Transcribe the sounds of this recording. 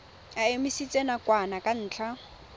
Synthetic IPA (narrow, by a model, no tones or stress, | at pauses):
aemisit͡sʼenakʼwanakʼan̩ːt͡ɬʰa